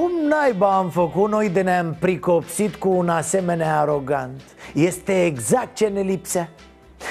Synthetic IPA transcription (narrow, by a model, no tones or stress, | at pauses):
kumnajbaːmfəkut̪no̞jd̪eneampɾiko̞psit̪kuːnase̞me̞neaːɾo̞ɡant̪je̞st̪e̞ːɡzak̚t̪̚t͡ʃe̞ne̞lipsa